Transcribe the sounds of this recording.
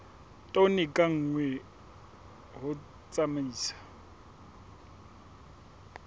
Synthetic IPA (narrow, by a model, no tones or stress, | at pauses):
tʼonɪkʼaŋ̩ːŋwɛ | ɦʊ | t͡sʼamaiːsḁ